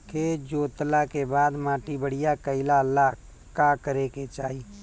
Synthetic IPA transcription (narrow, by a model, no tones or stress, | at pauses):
kʰed͡ʒoːt̪lakebaːd̪mãːʈibəɽ̤ɪjakəɪlala | kakəɾeket͡ʃaːiː